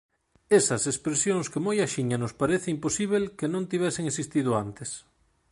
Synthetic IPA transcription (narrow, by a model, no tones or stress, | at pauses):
esɐsespɾesjoŋskemojaʃiɲanospaɾeθeimposiβ̞elkenõnt̪iβɛseŋesist̪iðʊant̪es